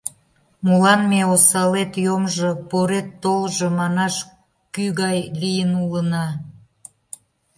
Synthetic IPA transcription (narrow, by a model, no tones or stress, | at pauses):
mulɑnmeosɑlet̪jomʒopoɾet̪ːolʒŏmɑnɑʃ | kyɣɑjlijənulənɑ